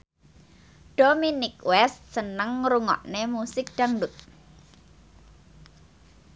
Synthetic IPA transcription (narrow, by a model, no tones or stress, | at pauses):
ɖ̥ominɪkwɛst̪sənəŋɾuŋɔ̰ʔnemusɪk̚d̥aŋdʊt̪̚